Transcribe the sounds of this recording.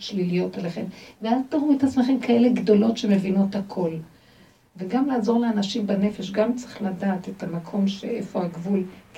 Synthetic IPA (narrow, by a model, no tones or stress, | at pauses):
ʃlilijo̞taleχe̞mveaztoʁumetat͡smeχemkʰaele̞ɡdo̞lo̞tʃe̞me̞vino̞thakʰo̞l | veɡamlaːzo̞ʁleanaʃimbane̞fe̞ʃɡamt͡seχladaːte̞tamakʰo̞mʃeʔefo̞aɡvul